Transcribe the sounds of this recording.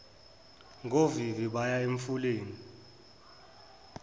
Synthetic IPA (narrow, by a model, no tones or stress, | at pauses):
ŋɡʱoviviɓajaeɱfuleːni